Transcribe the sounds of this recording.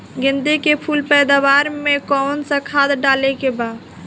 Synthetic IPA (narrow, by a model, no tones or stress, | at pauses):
ɡɪ̃nd̪ekepʰulpɛjd̪aʋaɾmekɔnsə̃kʰad̪ɖalekeba